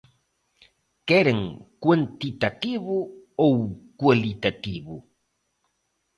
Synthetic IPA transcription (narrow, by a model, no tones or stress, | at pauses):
keɾeŋkwant̪it̪at̪iβuowkwalit̪at̪iβu